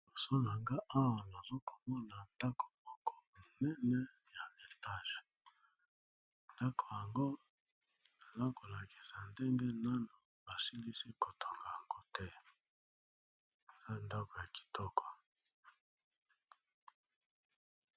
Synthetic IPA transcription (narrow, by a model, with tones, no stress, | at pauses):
o˨so˦na˨ŋɡa˦ʔa˦wa˨na˨zo˦ko˨mɔ˦na˨nda˦ko̥˨mɔ˦kɔ˨nɛ˦nɛ˦ | ja˨e˨ta˦˨ʒe˨ | nda˦kʰo˨ja˨ŋɡo˦ | na˨za˦ko˨la˨ki̥˨sa˨nde˦ŋɡɛ˦na˦no˨ | ba˨si˦ndi˦si˦ko˨tʰo˨ŋɡa˨ja˨ŋɡo˦tʰɛ˦˨ | za˦nda˦ko˨ja˨ki̥˨tʰɔ˦kʰɔ̥˨